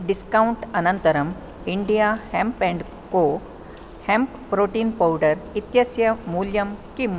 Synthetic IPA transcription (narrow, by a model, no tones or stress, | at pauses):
ɖiskawɳʈɐnənt̪əɾəm | iɳɖijahɛ̃mpɛ̃ɳɖ | ko | hɛ̃mpːɾoʈiːnpawɖəɾit̪jɐsjɐmuljɐmkim